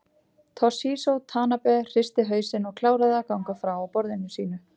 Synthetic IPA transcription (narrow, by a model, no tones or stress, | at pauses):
t̪ʰɔsiːsowt̪ʰaːnapɛr̥ɪst̪ɪɦœːɥsɪnɔɣkʰlaːwɾaðɪakawŋkafɾawawpɔɾðɪnʏsiːnʏ